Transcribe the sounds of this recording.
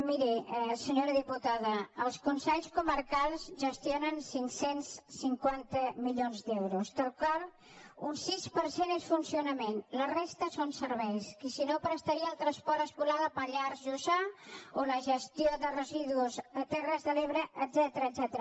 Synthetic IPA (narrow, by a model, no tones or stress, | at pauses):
miɾisəɲoɾəðiput̪aðəəlˠskunsɛʎskuməɾkalˠzʒəst̪ionənsiŋksensːiŋkwant̪əmiʎonzd̪ɛwɾust̪əlˠkɔl | unsispəɾsenesfunsiunəmenlərest̪əsonsəɾβɛjskəsinopɾəst̪əɾiəːlˠt̪ɾəspɔɾt̪əskulaðəpəʎaɾzʒuzaoləʒəst̪ioðərəziðuuzət̪ɛrəzðəleβɾəʔəd̪zɛt̪əɾəːd̪zɛt̪əɾə